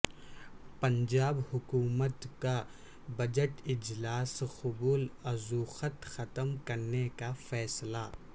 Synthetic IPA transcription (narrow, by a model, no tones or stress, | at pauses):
pɐ̃ɲd͡ʒaːbhʊkuːmət̪ka | bɐd͡ʒəʈɪd͡ʒlaːsxʊbuːlɐzuːxət̪xɐt̪əmkɐɾnekafɛːsla